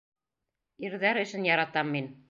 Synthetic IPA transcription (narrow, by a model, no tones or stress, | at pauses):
iɾðæɾɵ̆ʃɘnjɑɾɑt̪ɑmːin